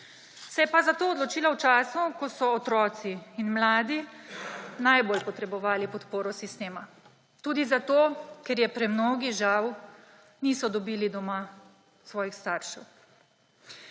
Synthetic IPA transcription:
sɛjɛpazat̪oːd̪lɔt͡ʃiːlawt͡ʃaːsnukɔsɔːt̪ɾɔːt̪siːnmlaːd̪i | najboːlpɔt̪ɾɛbɔʋaːlipɔt̪poːɾɔsist̪eːma | t̪uːd̪izat̪oːkɛɾjɛpɾɛmnoːɡiʒaw | nisɔd̪ɔbiːlid̪ɔma | sʋɔːjixst̪aːɾʃɛw

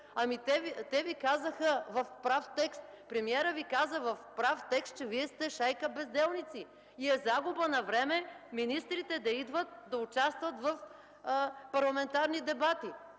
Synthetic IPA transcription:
ɐmit̪ɛvit̪ɛvikazəxəvɐfpɾaft̪ɛkst̪̚ | pɾɛmiɛɾəvikazəvɐfpɾaft̪ɛkst̪̚t͡ʃɛviɛst̪ɛʃajkəbɛzd̪ɛlˠnit̪si | iɛzaɡʊbənɐvɾɛmɛminist̪ɾit̪ɛd̪ɐid̪vət̪̚d̪ɐʊt͡ʃast̪vɐt̪vɐf | pɐɾlˠɐmɛnt̪aɾnid̪ɛbat̪i

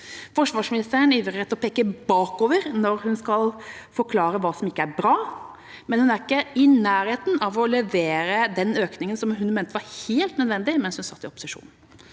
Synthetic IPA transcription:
fɔʂʋɑːʂmɪnɪst̪əɾəɳiːʋɾəɛt̪ːɔpʰeːkːəbɑːkoːʋəɾnɔɾhʉnskɑlfɔɾkʰlɑːɾəʋɑːsɔmɪkːəæɾbɾɑː | mɛnhʉnæɾɪkːəɪnæːɾheːt̪n̩ʔɑʋɔlɛʋeːɾəd̪ɛnøːknɪŋənsɔmɦʉnmeːnt̪əʋɑɾheːlt̪nœd̪ʋɛnd̪ɪmɛnshʉnsɑt̪ːɪɔpʊ̥səʂṵːnn̩

